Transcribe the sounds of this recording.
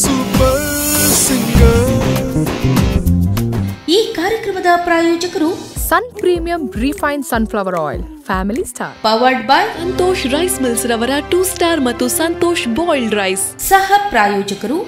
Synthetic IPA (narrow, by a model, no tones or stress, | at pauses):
supɐɾsiɡjɐ | iːkaːɾjɐkɾɐmɐd̪ɐpɾaːjɔːd͡ʒɐkɐɾusɐnpɾiːmijɐmɾifɐjnsɐnflɐʋɐɾɔ̰ːjlfʰæːmilisʈʰa̰ːɾpɐʋɐɾɖbaːjsɐnt̪oːʃɾɐjsmilsɾɐʋɐɾɐʈuːsʈaːɾmɐt̪ːusɐnt̪oːʃbɔːjlɖɾɐjs | sɐhɐpɾaːjɔːd͡ʒɐkɐɾu